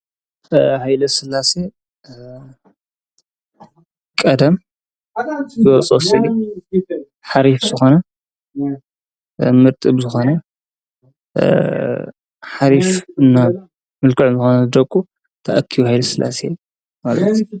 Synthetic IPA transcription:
hajlɐsɨlːase | kʼɐd̪ɐm | zɨwɐt͡sʼosiʕi | ħaɾifzɨxo̞nɐ | mɨɾt̪ʼɨbzɨxo̞nɐ | ħaɾifɨnːa | mɨlkɨʕumzɨxonɐzɨd̪ɐkʼːu | t̪ʰɐʔɐkʰːijuhajlɐsɨlʔa̰se | malɐt̪

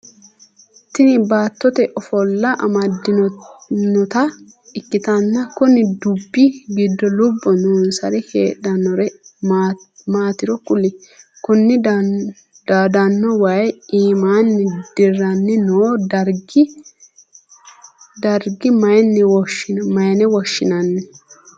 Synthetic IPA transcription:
t̪ɪnɪbaːt̪ːɔt̪ɛʔɔfɔlːɐʔɐmɐd̪ːɪnnɔt̪ɐ | ɪkːɪt̪ɐnːɐkʊnɪd̪ʊbːɪɡɪd̪ːɔlʊbːɔnuːnsɐɾɪheːᶑɐnːɔɾɛ | maːt̪ɪɾɔkʊlɪkʊnːɪ | d̪d̪ɐnːɔwɐjiːmaːnːɪd̪̥ɪrːɐnːɪnoːd̪ɐɾɡɪ | d̪ɐɾɡɪmɐjnːɪwɔʃmɐjnɛwɔʃːɪnɐnːɛ

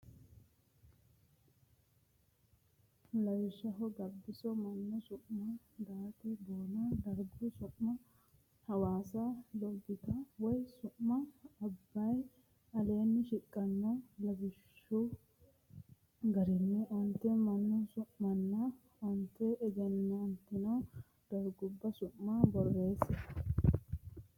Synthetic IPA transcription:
lɐwɪʃːɐɦɔɡɐbːɪsɔmɐnːɔsʊʔmɐ | d̪aːt̪ɛb̪oːnɐd̪ɐɾɡʊsʊʔmɐ | hɐwaːsɐlɔɡːɪt̪ɐwɔjsʊʔmɐːbːɐj | ɐleːnːɪʃɪkʼːɐnːɐlɐbɪʃːʊ | ɡɐɾɪnːɛʔɔnt̪ːɛmɐnːɔsʊʔmɐnːɐ | ɔnt̪ːɛʔɛɡɛnːɐnt̪ːɪnɐw | d̪̥ɐɾɡʊbːɐsʊːabɔrːeːsːɛ

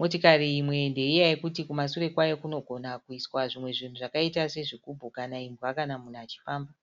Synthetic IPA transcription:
motikariːmwe̞nde̞ijajekutikumasure̞kwajokuno̞ɡʱo̞nakuiswaʐimwe̞ʐin̤uʐakaitase̞ʐikubʱukanaimbwakanamun̤at͡ʃi̥faːmba

